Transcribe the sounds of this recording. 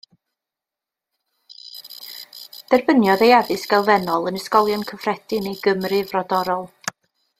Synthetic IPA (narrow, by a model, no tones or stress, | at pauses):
d̥ɛrbənjɔðejavɨsɡ̥ɛlˠvɛnɔlˠənəskɔlˠjɔnkʰəvrɛd̥ɪnejɡəmrɨvrɔdɔɾɔlˠ